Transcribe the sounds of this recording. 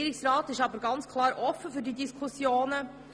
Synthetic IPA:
ɾɪksrɑːtɪʃɑbəɾɡɑnt͡skʰlˠɑːɾʔɔfːəfyɾdidiskʰusjoːnə

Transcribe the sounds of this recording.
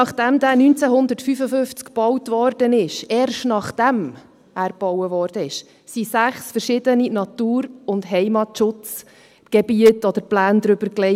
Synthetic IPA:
nɑχd̥ɛmd̪æːnynt͡sɛɦʊnd̪ətfyfəfʏft͡skb̥ɔwtvɔɾd̥ənɪʃɛːɾʃtnɑχd̥ɛm | æːɾb̥ɔwəvɔːɾd̥əɪʃ | sisæχsfəɾʃɪd̪əninɑtuːɾʊndɦɛɪmɑtʃʊt͡s | ɡ̥ɛbiətɔd̪əɾplæːnd̪ɾʏbəɾklɛ

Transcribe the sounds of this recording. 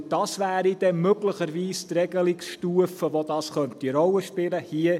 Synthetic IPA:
d̥ɑsʋæːɾid̥ɛmøɡləχəɾʋiːst̪rɛɡəlɪksʃtuəfəʋodɑːsχœnt̪iɾɔləʃpɪləhiə

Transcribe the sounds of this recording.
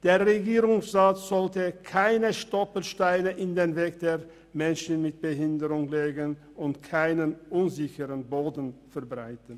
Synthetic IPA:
d̥eːɐʁeɡiːʁʊŋsʁaːtz̥ɔltəkʰaɪnəʃtɔpl̩ʃtaɪnəʔɪndeːnveːkd̥eːʁ | mɛnʃn̩mɪt̚b̥əɦɪndəʁʊŋleːɡən | ʊntkʰaɪnənʔʊnzɪçəʁənboːdn̩fɛɐbʁaɪtən̩

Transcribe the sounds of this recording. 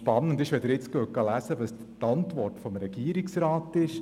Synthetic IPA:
pɑnːəndɪʃʋɛd̪əɾɪt͡skək̚ɡ̥ɑlæsəʋəs | tɑntvɔrtfɔmɾɛɡ̥iːɾiksɾɑːtɪʃ

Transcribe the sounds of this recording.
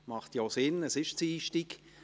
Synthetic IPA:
mɑχtjoːsɪnəsɪʃt͡siːʃtik

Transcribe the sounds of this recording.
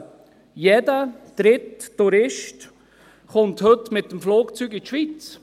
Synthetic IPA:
jɛdəd̪̥ɾɪtːuɾɪʃt | χʊnt̪hɵtmɪt̪ːəmfloːkt͡syɡit̪ʃʋit͡s

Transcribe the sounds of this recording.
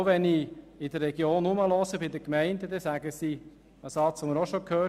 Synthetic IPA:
ʋɛniɪd̪əɾːɛɡjoːnuməlɔsəbɪd̪əkmɛɪndəd̪ɛsæɡəsi | əsɑt͡sʋoməɾoʃokʰhøː

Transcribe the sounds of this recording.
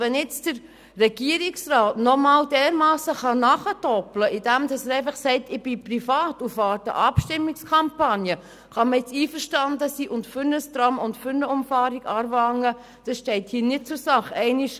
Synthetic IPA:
ʋɛnjɛt͡sd̥əɾː | ɛɡ̥iəɾɪksraːtnɔmɑːldɛːɾmɑːsəχɑnɑχətɔpləʔid̥æmdɑsɛɾɛɪfɑχsɛɪtɪb̥iprifɑːtufɑːtə̰ʔɑpʃtɪmːɪkskʰɑmpɑnjə | χɑməjɪt͡siːfəɾʃtɑndəsiːʔʊntfʏɾnəstɾɑmʊntfʏɾnəʊmfɑːɾiɡɑːɾvɑŋə | d̥ɑsʃtɛɪthiːnɪt̚t͡sʊɾsɑχɛɪnɪʃ

